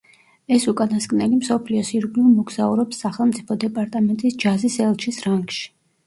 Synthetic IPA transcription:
ɛsukʼanaskʼnɛlimsɔpʰliɔsiɾɡlulˠmɔɡz̥auɾɔpsːaχɛlˠmt̪sʼipʰɔd̪ɛpʼaɾt̪ʼamɛnt̪ʼisd͡ʒazisɛlˠt͡ʃʰisɾaŋɡʃi̥

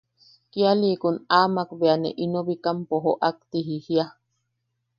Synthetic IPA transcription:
kialiːkunaːmakbeanḛʔinoβikampoɦoʔak̚t̪iɦihia

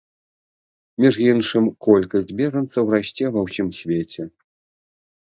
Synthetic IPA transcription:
mʲiʐjinʂɨmkɔlʲkɐsʲd͡zʲbʲɛʐɐnt̪sːɐwraɕʲt͡sʲɛvɐwsʲimsʲvʲet͡sʲɛ

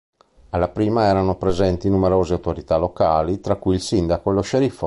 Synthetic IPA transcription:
alːapɾiːmaɛːɾanopɾezɛnt̪inumeɾoːzeawt̪oɾit̪alokaːlit̪ɾakːujilsind̪akoɛloʃeɾifɔ

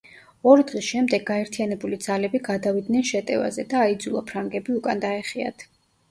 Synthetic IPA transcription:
ɔɾid̪ʁisʃɛmd̪ɛɡːaɛɾt̪ʰijanɛbulid̪z̥alɛbiɡad̪avid̪nɛnʃɛt̪ʼɛ̰va̰zɛd̪aːid̪zulˠapʰɾaŋɡɛbiukʼand̪aɛχia̰t̪ʰ

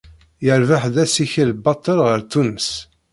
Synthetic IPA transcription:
jəɾvəħðæsiçilbɑt̪ˤːəlʁəɾt̪unəs

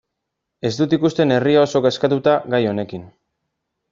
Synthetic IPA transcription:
e̞zd̪ut̪ikust̪e̞ne̞riao̞so̞ɣeskat̪ut̪aɣajo̞ne̞kin

